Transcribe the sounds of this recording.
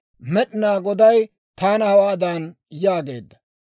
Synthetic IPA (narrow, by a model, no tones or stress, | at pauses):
mɛɗɪnaːɡɔd̪ɐj | t̪aːnɐhɐwaːd̪aːn | jaːɡe̞ːd̪ːɐ̥